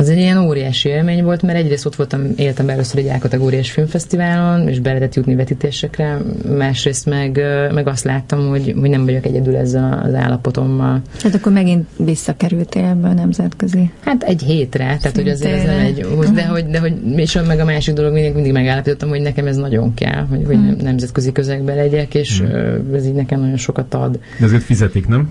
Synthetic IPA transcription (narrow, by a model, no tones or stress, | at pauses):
ɛzɛɟijɛnoːɾijaːʃieːlmeːɲvo̞lt̪mɛɾɛɟreːst̪o̞t̪ʋo̞lt̪ɒmeːlt̪ɛmbɛɛløːsøɾɛɟaːlkɒt̪ɛɡoːɾijaːʃfilɱfɛst̪ivaːlo̞nḛːʒbɛlɛt̪ɛt̪jut̪nivɛt̪it̪eːʃɛkrɛmaːʃreːst̪mɛɡmɛɡɒst̪laːt̪ːɒmho̞ɟɦo̞ɟnɛɱvɒɟo̞kɛɟɛd̪ylɛ̰zːɛlɒ̰za̰ːlːɒpo̞t̪o̞mːɒlaːt̪ɒkːormɛɡint̪ʋisːɒkɛɾylt̪eɛbːɛɒnɛmzɛt̪køzihat̪ɛɟɦeːt̪rɛt̪ɛːt̪ho̞ɟɒzeːɾɛznɛmɛɟod̪ɛɦo̞ɟd̪ɛɦo̞ɟmeʃomɛɡɒmaːʃiɡ̚d̪o̞lo̞ɡminːɛŋkmind̪iɡmɛɡaːlːɒpit̪o̞t̪ːɒmho̞ɟnɛkɛmɛznɒɟo̞̰ŋkɛ̰lɦo̞ɟho̞ɟɛ̰nɛmzɛt̪køzikøzɛɡ̚bɛlɛɟɛkeːʃɛziːɟnɛkɛmnɒɟo̞nʃo̞kɒt̪ɒ̰d̪ | d̪ɛzert̪fizɛt̪iknɛm